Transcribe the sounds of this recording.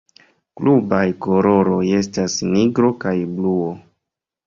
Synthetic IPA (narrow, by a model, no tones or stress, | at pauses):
klubajkoɾo̞ɾo̞je̞stasniɡɾo̞kajbluo